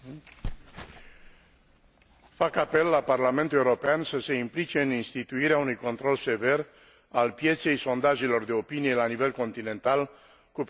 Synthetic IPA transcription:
fakape̞lːaparlame̞nt̪ule̞wuɾopeansəse̞implit͡ʃe̞ɨninst̪it̪uiɾeaunujko̞nt̪ɾo̞lse̞ve̞r | alpje̞t̪se̞jso̞nd̪aʒelo̞rd̪e̞o̞pinije̞lanive̞lko̞nt̪ine̞nt̪al | kup

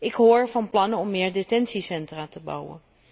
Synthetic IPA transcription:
ɪkɦʊːɹvɑnplɑnəɔmːɪːɹdetɛnsisɛntraːtəbɑ̰wə̰n

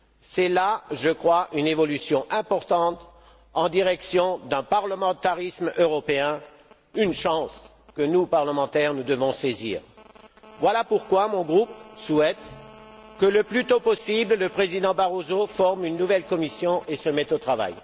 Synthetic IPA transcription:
sɛlaʒəkχwaʔynevɔlysjɔ̃ʔɛ̃pɔʁt̪ɑ̃t̪ | ɑ̃d̪iʁɛksjɔ̃d̪ɛ̃paʁləmɑ̃t̪aʁismøʁɔpeɛ̃ | ynʃɑ̃s | kənupaʁləmɑ̃t̪ɛʁnud̪əvɔ̃sezḭːʁ | vwalapuʁkwamɔ̃ɡʁupsuɛt̪ | kələplyt̪opɔsiblləpχezid̪ɑ̃baʁozofɔʁmynːuvɛlkɔmisjɔ̃ʔesəmɛt̪ot̪χava̰j

